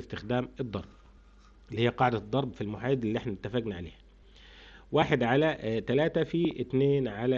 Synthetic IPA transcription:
st̪ɪxd̪æːmɨd̪ˤːɑ̰ɾˤb̚ | lːihijːæqɑʕd̪æd̪ˤːɑɾˤbfilmʊħajd̪ɪlːiʔeħnænɪt̪ːæfæɡnæʕa̰lḛːhæ | waːħed̪ʕalæt̪ælæːt̪æfit̪neːnʕalæ

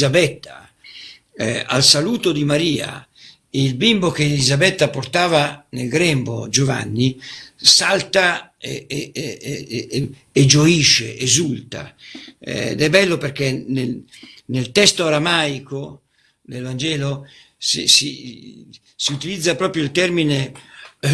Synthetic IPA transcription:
zabɛt̪ːa | a̰lsaluːt̪od̪imaɾiːa̰ | eilbimbok̟eːlizabɛt̪ːaport̪aːvanelɡɾɛmbod͡ʒova̰nːisalt̪a | e | d͡ʒoiʃːḛʔezult̪a̰ɛ̰d̪ɛbːɛlːoperk̟enelnelt̪ɛst̪oaɾamajko | d̪elvand͡ʒɛːlo | sḭsḭ | siut̪ilid̪zːapɾɔːpɾjoilt̪ɛrmine

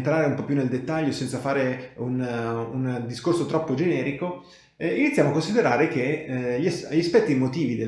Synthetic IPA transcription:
nt̪ɾaːɾeumpɔpːjuneld̪et̪ːaʎːosɛnt̪safaːɾeunund̪iskorsot̪ɾɔpːod͡ʒenɛːɾiko | init̪sjaːmoakːonsid̪eɾaːɾek̟eʎsʎiaspɛt̪ːimot̪iːvid̪e

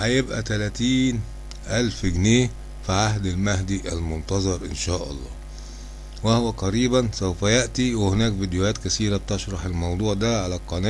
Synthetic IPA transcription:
hæjebʔæ̰t̪ælæt̪iːn | ʔælfɪɡneː | fiʕaɦd̪ælmæɦd̪iʔælmʊnt̪ɑzˤɑɾˤʔɪnʃæːʔɑ̰lˤːɑ̰ː | wæhwæqɑɾiːbænsæwfæjaʔt̪iwɪhɪnæːkvid̪joæːt̪kæsiːɾæb̚t̪eʃɾˤɑħelmɑwd̪ˤuːʕd̪æʕalæqːɑnæː

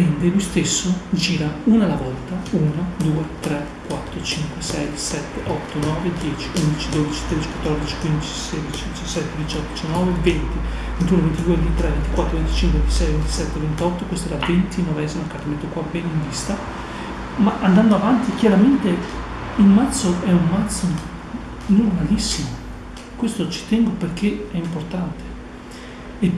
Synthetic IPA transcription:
ɛnd̪elujst̪esːod͡ʒiːɾauːnalavɔlt̪auːnad̪uːet̪ɾɛ | kwat̪ːɾot͡ʃiŋkwesɛjsɛt̪ːeʔɔt̪ːonɔːved̪jɛːt͡ʃi̥und̪it͡ʃid̪oːd̪it͡ʃi̥t̪ɾed̪it͡ʃi̥kwat̪ːɔrd̪it͡ʃi̥kwind̪it͡ʃi̥seːd̪it͡ʃid̪it͡ʃasɛt̪ːed̪it͡ʃɔt̪ːod̪it͡ʃanːɔːvevent̪i | vent̪unovent̪id̪uevent̪it̪ɾɛvent̪ikwat̪ːɾovent̪it͡ʃiŋkwevent̪isɛjvent̪isɛt̪ːevent̪ɔt̪ːokwest̪oɛɾavent̪inɔveɛzimoakːarolet̪ːokwapːɛnaiɱvist̪a | maʔand̪and̪oavant̪ik̟jaɾament̪e | ilmat̪sːoʔɛumːat̪sːo | normalisːimo | kwest̪ot͡ʃi̥t̪ɛŋɡoperkʰeɛimport̪ant̪e̥

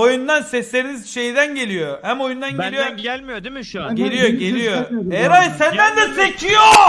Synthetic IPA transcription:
ojund̪ansɛslʲe̞ɾinizʃe̞jid̪ænɟe̞lʲijohæmo̞jund̪anɟelʲijomlmjoɟe̞lʲijoɡe̞lʲijoejæɾajsænd̪ænd̪ɛsecʰijo

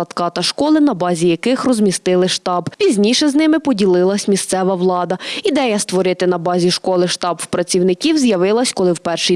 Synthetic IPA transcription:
ɐt̪kɑt̪ɐʃkɔlˠɪnɐbɑzʲijɐkɪxrɔzmʲist̪ɪlˠɪʃt̪ɑbpʲizʲnʲiʃɛznɪmɪpɔdʲilˠɪlˠɐsʲmʲist̪sɛʋɐʋlˠɑd̪ɐid̪ɛjɐst̪ʋɔɾɪt̪ɪnɐbɑzʲiʃkɔlˠɪʃt̪ɑbwpɾɐt͡sʲiwnɪkʲiwzjɐʋɪlˠɐsʲkɔlˠɪwpɛrʃi

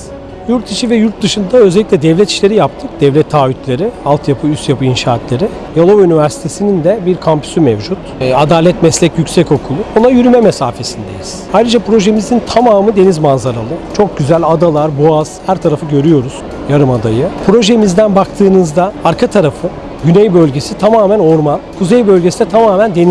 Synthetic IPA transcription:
juɾt̪ʰiʃivɛjuɾt̪̚d̪ɯʃɯnd̪aøzɛlʲːiclʲɛd̪ɛvlʲɛt̪ʰi̥ʃlʲe̞ɾijap̚t̪ʰɯk̚d̪̥ɛvlʲɛt̪ʰːaːvyt̪lʲe̞ɾialˠt̪ʰjapʰɯyst̪japʰɯinʃaːt̪lʲe̞ɾi | jalˠo̞vynivæɾsi̥t̪ʰe̞sinind̪ɛbiɾkʰampʰy̥symɛvd͡ʒut̪ad̪aːlʲɛt̪mɛslʲɛcjycʲsɛco̞kʰulˠuonajyɾymɛmɛsa̰ːfe̞sind̪e̞jiz̥ajɾɯd͡ʒapɾo̞ʒemizint̪ʰamaːmɯd̪e̞nizmanzaɾalˠɯt͡ʃʰo̞k̚ɟyzælʲad̪alˠaɾboaz̥hæɾt̪ʰaɾafɯɟø̞ɾyjo̞ɾuz̥ | jaɾɯmad̪ajɯpʰɾo̞ʒemizd̪ænbakt̪ʰɯːnɯzd̪aaɾkʰat̪ʰaɾafɯ | ɟynɛjbø̞lʲɟe̞sit̪ʰamaːmæno̞ɾmankʰuzejbø̞lʲɟe̞sid̪ɛt̪ʰamaːmænd̪en

